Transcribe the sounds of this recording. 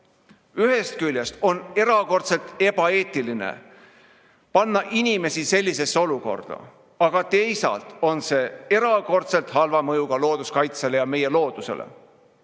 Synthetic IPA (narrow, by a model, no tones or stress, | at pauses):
yɦe̞st̪̚kylʲjest̪o̞ne̞ɾɑko̞rt̪se̞lt̪e̞b̥ɑe̞ːt̪ːˑilinḛ | pɑnːɑʔinʲime̞sise̞lʲːise̞sːeo̞luko̞̰rd̪̥ɑ̰ | ɑɡ̥ɑt̪e̞jsɑ̰lt̪o̞nse̞ːe̞ɾɑko̞rt̪se̞lt̪hɑlvɑmɤjuɡ̥ɑlo̞ːd̪uskɑjt̪sele̞jɑme̞je̞lo̞ːd̪̥use̞̰lʔḛ